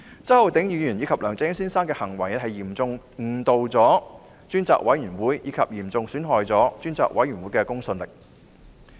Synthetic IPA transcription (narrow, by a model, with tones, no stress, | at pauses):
t͡sɐ˥hɐ˨˧wt̪ɪ˨˥ŋjiː˨˧jyː˨˩njiː˨˧˥kʰɐ˨p̚lœː˨˩ŋt͡sɪ˨˥ŋsiː˥nsaː˥nkɛː˧hɐ˨˩ŋwɐ˨˩jɐ˩hɐ˨jjiː˨˩mt͡sʊ˧ŋ | ŋ̩˨˩t̪o˨wt͡sɔː˨˥ | t͡ʃyː˥nt͡sa̰ː˨˩k̚wɐ˨˥jyː˨˩nwuː˨˥jjiː˨˧kʰɐ̰˨p̚jiː˨˩mt͡sʊ˧ŋsyː˨˥nɦɔː˨jt͡sɔː˨˥t͡ʃyː˥nt͡sa̰ː˨k̚wɐ̰˨˥jy˨˩nwuː˨˥jkɛː˧kʊ˥ŋsɵ˧nlɪ˨k̚